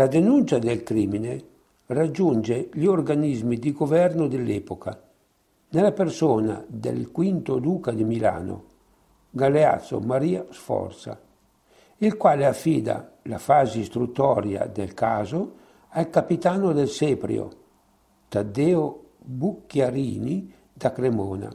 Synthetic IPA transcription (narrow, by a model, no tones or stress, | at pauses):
lad̪enunt͡ʃad̪ɛlkɾimine | rad͡ʒːund͡ʒeʎiorɡanizmid̪iɡovɛrnod̪ɛlːɛpoka | nelapersoːna̰d̪ɛ̰lkwint̪od̪uːkad̪imila̰ːno̰ | ɡalea̰t̪sːo̰maɾiːasfɔ̰rt̪sa̰ | ilkwaːleafːiːd̪a̰ | la̰faːzist̪ɾut̪ːɔɾja̰d̪ɛlkaːzo | alkapit̪aːnod̪ɛlsepɾj̰o̰ | t̪ad̪eo | bukːjaɾiːni | d̪akɾemoːna̰